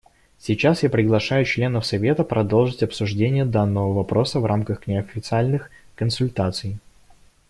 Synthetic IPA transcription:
sʲit͡ɕasjapɾʲɪɡlˠɐʂajʊt͡ɕlʲe̞nəfsɐvʲe̞t̪əpɾɐd̪o̞lˠʐɨtʲɐpsʊʐdʲenʲɪjəd̪anːəvəvɐpɾʔo̞səvɾʔamkəxknʲɪɐfʲːɪt̪sɨalʲnɨxkənsʊlʲt̪at̪sɨj

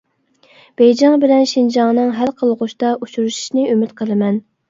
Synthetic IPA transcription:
b̥ɛjd͡ʒɑŋbɪlɛnʃind͡ʒɑŋnɨŋɦælqʰəlˠʁʊʃt̪ɑʔut͡ʃuɾuʃi̥ʃnɪymɪt̪qʰəlˠɨmɛn

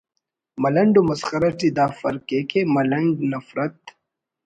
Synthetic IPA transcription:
mɐlɐɳɖomɐsxɐɾɐʈid̪aːfɐɾkekemɐlɐɳɡnɐfɾɐt̪̚

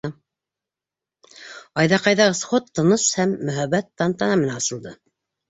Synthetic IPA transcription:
ɑjðɑqɑjðɑsχot̪ːɤ̆nɤʃhæmːɵ̆ɦæβæt̪ːɑnt̪ɑnɑmɘ̆nænɑsɤ̆lˠd̪ɤ

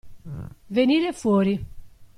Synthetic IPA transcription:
veniːɾefwɔːɾi

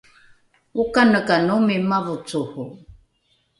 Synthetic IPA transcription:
ukanəkanumimavut͡suhu

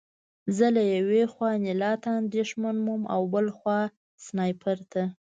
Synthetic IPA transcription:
zəlajawexwɑnɪlɑt̪aːnd̪eʃmanmumʔa̰wbəlxwɑ | snɑjpʰaɾt̪ʰa

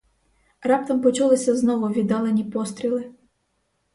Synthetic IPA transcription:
rɑp̚t̪ɐmpɔt͡ʃulˠɪsʲɐznɔʋʊʋʲid̪ɑlˠenʲipɔst̪ɾʲilˠɪ

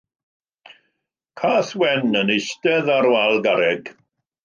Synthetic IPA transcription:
kʰaːθwɛnəneʃtɛðaɾwalˠɡaɾɛɡ̥

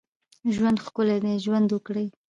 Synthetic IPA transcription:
ʒwand̪xkʊled̪eʒwand̪wəkɽəj

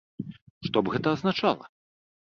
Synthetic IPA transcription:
ʂt̪ɔbɣɛt̪ɐːznat͡ʂalˠɐ̰

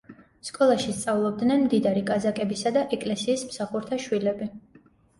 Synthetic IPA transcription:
skʼɔlˠaʃist̪sʼavlˠɔb̚d̪nɛnmd̪id̪aɾikʼazakʼɛbisad̪aʔɛkʼlɛsiːsmsaχuɾt̪ʰaʃwilɛbi

